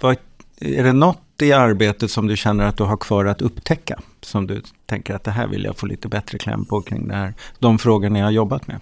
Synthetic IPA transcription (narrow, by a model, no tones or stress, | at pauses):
va | æɖɛnɔt̪ːɪaɾbeːt̪ət̪sɔmd̪ɵɕɛnːəɾat̪̚d̪ɵɦaɾkʰv̥ɑːɾat̪ɵpːt̪ʰɛkːa | sɔmd̪ɵt̪ʰɛŋkəɾat̪̚d̪ɛɦæ̰ːɾvɪ̰lja̰foːlḭːt̪əbɛt̪ɾəkʰlɛ̰mpʰɔkʰɾɪ̰ŋːd̪ɛhæːɾd̪ɔmfɾoːɡəɳajahaɾjɔbːat̪mḛ